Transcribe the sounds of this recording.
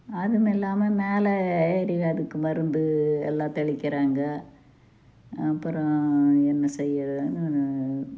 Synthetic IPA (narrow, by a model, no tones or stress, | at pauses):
ɐðɯmɛlːaːmɐmeːlɛeːɾɪɣɐɐðɯkːɯmɐɾɯnd̪ɯɛ̰lːãːt̪ɐɭɪkːɪɾaːŋɡɐ | ɐpːɯɾɔ̃ɛnːɐsɛjːɐɾnɯn